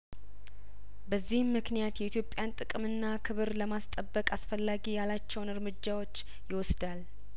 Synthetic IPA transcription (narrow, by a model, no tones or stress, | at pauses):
bəzːihmːɨknijat̪jɛʔit̪ʰjo̞pʼjant̪ʼɨkʼmɨnːakʰɨβɨɾləmast̪ʼəbːəkʼasfəlːaɡijalat͡ʃːɛwnɨɾmɨd͡ʒːawo̞t͡ʃː | jɪwɔsd̪al